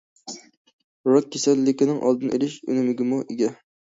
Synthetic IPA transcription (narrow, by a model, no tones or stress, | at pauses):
ɾot̪̚kʲʰesɛlːɪkʲɪnɪŋʔɑ̰lˠd̪ɨnḛlɪʃy̰nɪmɪɡʲɪmuʔeɡʲɛ